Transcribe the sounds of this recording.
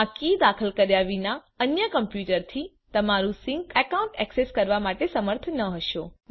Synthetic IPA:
ãkid̪akʰəlkəɾjaʋina | ənjəkəmpjuʈəɾt̪ʰi | t̪əmaɾũsɪ̃ŋkəkaũɳʈɛkseskəɾʋamaʈesəməɾt̪ʰnəɦəʃõ

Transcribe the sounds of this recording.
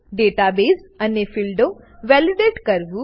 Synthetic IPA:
ɖeʈabeːsənefilɖo | ʋɛluɖeʈkəɾʋu

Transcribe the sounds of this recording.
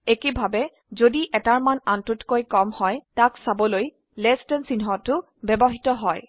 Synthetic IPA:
ekebʱabɛ | zodiʔɛtaɹmanantʊtkojkɔmhɔjtaksabɔloj | lɛstɔnsinɦɔtːʊ | bɛbɔɦitɔɦɔj

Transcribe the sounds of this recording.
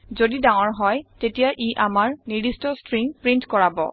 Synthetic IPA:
zodidaŋɔɹɦɔjtetijaʔiʔamaɹnidistɔstɹiŋpɹintkɔɹabɔ̰

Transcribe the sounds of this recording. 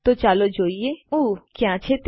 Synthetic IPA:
t̪ot͡ʃaːlod͡ʒoːieuːkjãːt͡ʃʰet̪

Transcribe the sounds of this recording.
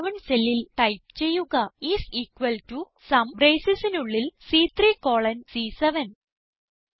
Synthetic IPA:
ʋɐɳselːilʈɐjp̚t͡ɕe̞jːuɣɐisiːkʋɐltu | sɐmbɾeːjsisinuɭːilsiːt̪ʰriːkoːɭɐnsiːseʋɐn

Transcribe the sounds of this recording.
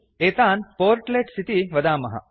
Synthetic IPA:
eːt̪aːnpoːɾʈleʈsʰit̪iʋɐd̪aːmɐɦɐ̰

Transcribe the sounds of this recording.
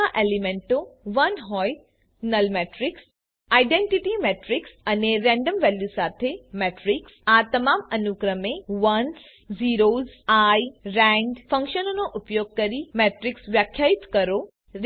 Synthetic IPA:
aʔelimẽɳʈoʋənɦɔj | nəlmeʈɾɪks | aiɖeɳʈiʈimeʈɾɪksəneɾɛ̃ɳɖəmʋɛljusat̪ʰemeʈɾiksat̪əmamənukɾəmẽʋəns | ziɾozajɾɛ̃ɳɖfə̃ŋkʃənonoʔʊpjoɡ̚kəɾimeʈɾɪksʋjakʰːjait̪kəɾo | ɾ

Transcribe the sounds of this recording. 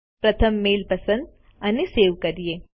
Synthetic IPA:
pɾət̪ʰəmːelpəsənd̪̚ | əneseʋkəɾije

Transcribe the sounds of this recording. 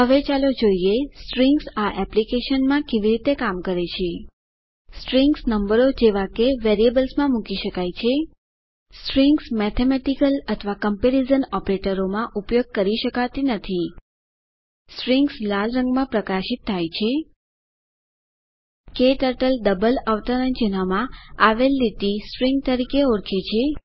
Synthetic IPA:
ɦəʋet͡ʃalod͡ʒoiesʈɾĩŋɡsaʔɛplikeʃənmãkeʋiɾit̪ekamkəɾet͡ʃʰe | sʈɾiŋɡsnəmbəɾod͡ʒeʋakeʋeɾiebəlsmãmukiʃəkajt͡ʃʰe | sʈɾiŋɡsmɛt̪ʰemɛʈikələt̪ʰəʋakəmpeɾizənɔpɾeʈəɾomãʔupjoɡ̚kəɾiʃəkat̪inət̪ʰi | sʈɾiŋɡslalɾə̃ŋɡmãpɾəkaʃit̪ʰːajt͡ʃʰe | keʈəɾʈəlɖ̪əbəlaʋt̪anə̃nd͡ʒənamãaʋelːit̪isʈɾiŋɡ̚t̪əɾikeoɾkʰet͡ʃʰe

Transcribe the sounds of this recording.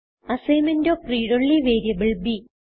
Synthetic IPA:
ɐsejmɐndoːpriːɽoɭːiʋeːɾjɐbiɭbi

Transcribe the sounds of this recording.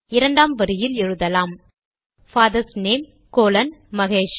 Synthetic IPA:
ɪɾɐɳɖaːmʋɐɾɯjɪlɛɻɯðɐlaːm | faːðɐɾsneːm | koːlɐnmɐɣeːʂ

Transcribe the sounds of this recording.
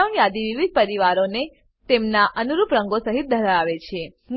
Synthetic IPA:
aʋnjad̪iʋiʋid̪̚pəɾiʋaɾone | t̪emnaʔənuɾupɾəŋɡosəɦit̪̚d̪ʱəɾaaʋet͡ʃʰe | m

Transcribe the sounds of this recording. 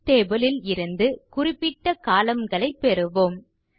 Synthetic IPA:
t̪eːbɐlɪlɪɾɯnd̪ɯkʊrɪpːɪʈːɐkaːlɐmɡɐɭɐɪpːɛɾɯʋoːm

